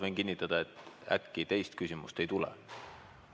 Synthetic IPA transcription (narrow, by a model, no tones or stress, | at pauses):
venkinʲːit̪ːˑɑd̪̥ɑe̞t̪ːˑæ̰t̪kit̪e̞jst̪kysʲimṵst̪e̞jt̪ulɛ̰